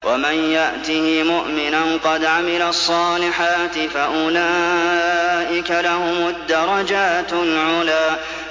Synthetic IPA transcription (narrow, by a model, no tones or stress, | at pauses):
wʔamanjaʔt̪ihɪmʊʔmɪnanqɑd̪ʕamɪlasˤːɑːlɪħaːt̪ɪfaʔʊla | ʔɪkalaɦʊmad̪ːɑɾˤɑd͡ʒaːt̪lʕʊlaː